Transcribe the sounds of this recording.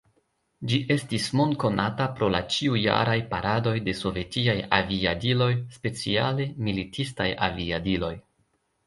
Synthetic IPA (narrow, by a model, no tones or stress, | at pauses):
d͡ʒiʔe̞stismo̞nko̞natapɾo̞lat͡ʃiuja̰ɾajpaɾʔado̞jde̞so̞ve̞tiaja̰viadilo̞jspe̞t͡sia̰le̞militʰistaja̰viadilo̞j